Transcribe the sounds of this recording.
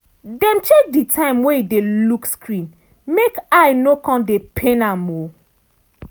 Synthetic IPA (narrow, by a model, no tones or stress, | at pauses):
dɛ̃mtek̚ditʰãɪ̃mweidelukskɹĩn | mekajnokɔ̃ndepʰẽnamo